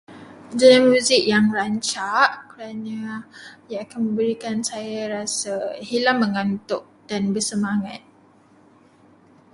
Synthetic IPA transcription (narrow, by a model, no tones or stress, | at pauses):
d͡ʒanamuzɪkjaŋraɲt͡ʃaʔkəɾanãjaakanmə̃mbəɾikansajaɾasahilamːəŋant̪ʊʔ̚d̥anbərsəmaŋat̪̚